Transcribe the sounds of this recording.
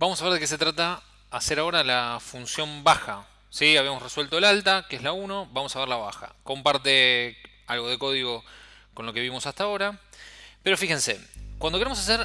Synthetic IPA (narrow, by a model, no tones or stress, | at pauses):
bamosaβ̞eɾðekes̬et̪ɾat̪aː | seɾao̞ɾalafunsjo̞mbaxa | siaβiamosreswe̞lt̪o̞elalt̪akeezlauno̞βamosaβeɾlaβa̰xa̰ko̞mpaɾt̪e | alɣo̞ð̞e̞ko̞ðiɣo̞ | konloke̞βimo̞sast̪ao̞ɾapeɾo̞fixe̞nsḛkwand̪okeɾemosas̬eɾ